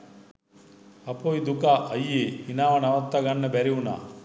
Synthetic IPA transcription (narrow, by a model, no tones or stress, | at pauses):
ɐpoːjd̪ukaʔɐjːeinaːʋɐnɐʋɐt̪ːɐɡɐnːɐbɛɾiuna̰